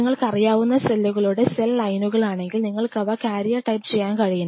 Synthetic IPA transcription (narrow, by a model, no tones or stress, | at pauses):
ŋːɐɭkɐrijaːʋunːɐsɐlːuɣɐɭuːɽeselɐlɐjnuɣɐɭaːɳe̞ŋɡilniŋːɐɭkɐʋɐkaːɾijɐʈɐjpt͡ɕe̞jːaːnkɐɻijunː